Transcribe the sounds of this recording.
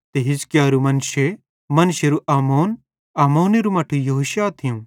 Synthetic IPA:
t̪eɦɪskjaːɾumɐnʃe | mɐnʃeɾuʔaːmoːn | aːmoːneɾumɐʈʰujɐɦoːʃjaːt̪ʰijũ

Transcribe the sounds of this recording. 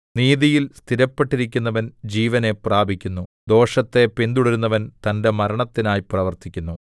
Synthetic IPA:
niːðijilst̪ʰiɾɐpːe̞ʈːiɾikʲːunːɐʋɐnd͡ʑiːʋɐne̞praːbʱikʲːunːu | d̪o̞ːʂɐt̪ːe̞pind̪uɽɐɾunːɐʋɐnt̪ɐnde̞mɐɾɐɳɐt̪ːinaːjiprɐʋɐrt̪ikʲːunːu

